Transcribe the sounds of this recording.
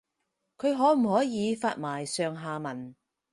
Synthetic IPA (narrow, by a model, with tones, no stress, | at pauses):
kʰɵ˨˧ɥɦɔː˨˥m̩˨˩hɔː˨˥jiː˨˧faː˧t̚maː˨˩jsœː˨˧ŋɦaː˨˧mɐ˨˩n